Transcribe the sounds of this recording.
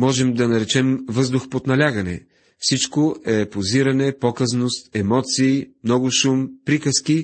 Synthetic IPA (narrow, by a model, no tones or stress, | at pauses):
mɔʒɛmd̪ɐnɐɾɛt͡ʃɛmvɤzd̪ʊxpot̪nɐlʲaɡɐnɛ̰ | fsit͡ʃkoʔɛpoziɾɐnɛpɔkəznost̪ɛmɔt̪siːmnɔɡʊʃumpɾikəski